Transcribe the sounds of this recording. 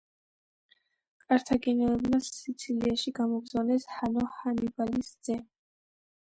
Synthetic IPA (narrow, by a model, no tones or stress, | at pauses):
kʼaɾt̪ʰaɡɛnɛɛbnasit̪sʰiliaʃiɡamɔɡ̪zanɛshanɔhanibalisd̪z̥ɛ